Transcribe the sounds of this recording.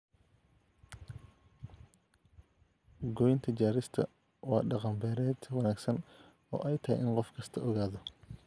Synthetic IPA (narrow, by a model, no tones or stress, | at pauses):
ɡɔjɪnt̪ʰɐt͡ʃaːɾɪst̪ʰɐ̰ | wɑːɖɑqɑmbɛːɾɛːd̪wɑnaːɡsɐn | ɔ̰ːʔɛjt̪ʰɐɦɛ̰jʔɪnqɔfkʰɐst̪ʰɐɔɣaːðɔ